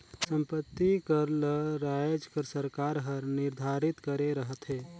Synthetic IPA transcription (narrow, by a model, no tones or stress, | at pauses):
sə̃mpət̪ːikəɾləɾaːjd͡ʒkəɾsəɾkaːɾɦəɾnɪɾd̪ʱaːɾɪt̪kəɾeɾəɦət̪ɦɛː